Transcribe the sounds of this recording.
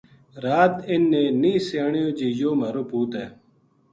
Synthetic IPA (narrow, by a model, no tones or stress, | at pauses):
ɾaːt̪ɪnːeːnĩːsaːɳijoːd͡ʑiːjoːməɾoːpuːt̪eː